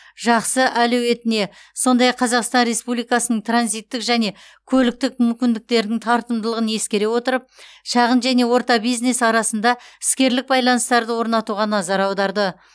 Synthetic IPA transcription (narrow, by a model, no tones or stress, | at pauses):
ʒɑqsəʔæluwe̞t̪ɪne̞so̞nd̪ɑjɑqʰːɑzɑqst̪ɑnɾe̞spublijkɑsənəɴt̪ʰranzijt̪ːɪkʒæne̞ | kʲʰɵlɪk̚t̪ɪk̚mʏmkʲɪnd̪ɪk̚t̪e̞ɾɪd̪ɪŋt̪ʰɑɾt̪əmd̪əlˠəʁəne̞skʲe̞ɾe̞wo̞t̪əɾəp̚ʃɑʁənʒæne̞wo̞ɾt̪ɑbijzne̞sɑɾɑsənd̪ɑɪskʲe̞ɾlɪk̚bɑjlˠɑnəst̪ɑɾd̪əwo̞ɾnɑt̪uʁɑnɑzɑɾɑwd̪ɑɾd̪ə